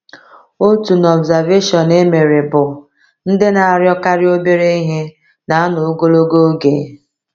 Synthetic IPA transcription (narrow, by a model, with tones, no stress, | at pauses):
o˦tu˨n˨ɔ˨bza˨ɾve˦ʃɔ˨ne˦me˨ɾe˨bʊ˨ | n̩˦dɪ˦na˨a˨ɾjɔ˦ka˦ɾɪ˦o˦be˦ɾe˦i˦ɦe˦ | na˨˦a˦nʊ˨o˦ɡo˦lo˦ɡo˦ɡe˨˦